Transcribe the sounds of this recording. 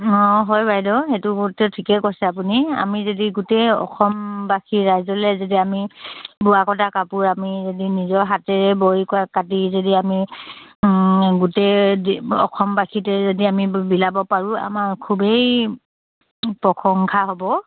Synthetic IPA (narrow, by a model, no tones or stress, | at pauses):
ɔ̃ɦɔjbajdɔɦetʊɡtɛtʰikɛkosɛap̬unia̰mizodiɡuteɔ̰xʰɔmbakʰiɹajzɔlɛzodiamibuakɔtʰakapuɹamizodinizɔɹɦatɛɹɛboɹikɔakatizodiami | ɡute | ɔ̰kʰɔmbakʰitɛzodiamibilabɔpaɹʊa̰maɹkʰubej | pɹɔkʰɔŋkʰaɦobɔ